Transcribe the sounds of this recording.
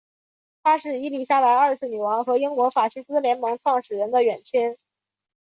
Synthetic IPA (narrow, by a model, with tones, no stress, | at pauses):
t̪ʰa˥ʂɻ̩˥˩i˧˥li˨˩ɕa˥pa˧˥ɪɐ˞˥˧sɹ̩˥˩ny˨˩wɑ˧˥ŋxɤ˧˥i˥ŋkwɔ˧˥fa˨˩t͡ɕʰi˥sɹ̩˥ljɛ˧˥nmɤ˧˥ŋʈ͡ʂʰwɑ˥˩ŋʂɻ̩˨˩ɻə˧˥nd̪ə˧ɥɛ˨˩nt͡ɕʰɛ˥n